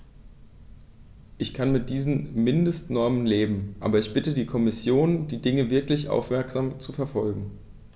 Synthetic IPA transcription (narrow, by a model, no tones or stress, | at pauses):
ʔɪçkʰanmɪt̚d̥iːzn̩mɪndəstnɔɐmənleːbm̩ʔa̰ːbɐɪçb̥ɪtədiːkʰɔmɪsjoːnd̥iːdɪŋəvɪɐklɪçʔa̰ʊfmɛɐkz̥aːmt͡sufɛɐfɔlɡŋ̩